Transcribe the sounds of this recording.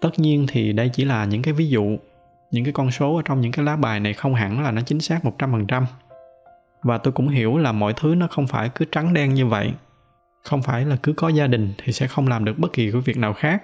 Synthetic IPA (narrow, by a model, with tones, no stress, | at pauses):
t̪ə˦˥t̚ɲi˧ənt̪ʰi˨˩ɗə˧jt͡ɕi˧˩laː˨˩ɲɨ̰˧˥ŋkaː˨˦jvi˨˦zṵ˧˨ | ɲɨ̰˧˥ŋkaː˨˦jkɔ˧nso˨˦ʔəː˧˩˦t͡ɕɔ˧wŋ͡mɲɨ̰˧˥ŋkaː˨˦jlaː˨˦ɓaː˨˩jna˨˩jxə˧wŋ͡mɦa̰˧˩nlaː˨˩nɔ˨˦t͡ɕï˨˦ŋ̟saː˦˥k̚mo˨˩t̚t͡ɕa˧mfə˨˩nt͡ɕa˧m | vaː˨˩t̪o˧jkʊ̰˧˥ŋ͡mɦi˧˩əwlaː˨˩mɔ̰˧˨jt̪ʰɨ˨˦nɔ˨˦xə˧wŋ͡mfaː˧˩jkɨ˨˦t͡ɕa˨˦ŋɗɛ˧nɲɨ˧və̰˧˨j | xə˧wŋ͡mfaː˧˩jlaː˨˩kɨ˨˦kɔ˨˦zaː˧ɗï˨˩ŋ̟t̪ʰi˨˩sɛ̰˧˥xə˧wŋ͡mlaː˨˩mɗɨ˨˩ək̚ɓə˦˥t̚ki˨˩ku˧˩˦vi˨˩ək̚naː˨˩wxaː˦˥k̚